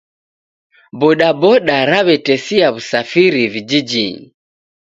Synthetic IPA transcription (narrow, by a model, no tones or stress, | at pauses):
bɔɗabɔɗaɾaβɛtɛsiaβusafiɾivid͡ʒid͡ʒi